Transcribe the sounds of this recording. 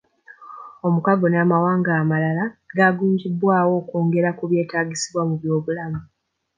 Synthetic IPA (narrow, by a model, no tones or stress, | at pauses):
o̞mukaɡo̞naːmawaːŋɡaːmalalaɡaɡuːɲɟibwaːwo̞ːkoːŋɡe̞ɾakuβje̞ːtaːɟisiβwamuβjo̞ːβulamu